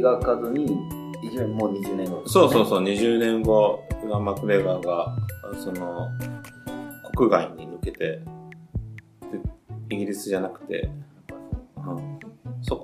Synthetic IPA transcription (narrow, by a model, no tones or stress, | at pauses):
ɡakazɨɲ̟i | id͡ʑmoːɲ̟iʑɨːnẽŋɡoso̞ːso̞ːso̞ːɲ̟iʑɨːnẽ̞ŋɡo̞ɡamakɯ̟ɾe̞ɡaːɡaso̞no̞ | ko̞̥kɯ̟ɡaiɲ̟inɯ̟ke̞t̪e̞ | t̪ːeiɡʲiɾʲisɨʑanakɯ̟̥t̪e̞̰ | so̞k